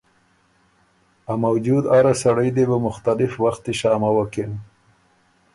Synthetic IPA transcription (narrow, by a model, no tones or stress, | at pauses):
amawd͡ʒud̪aɾasaɽəjd̪ebəmʊxt̪alɪfwaxt̪eʃɑːmawəken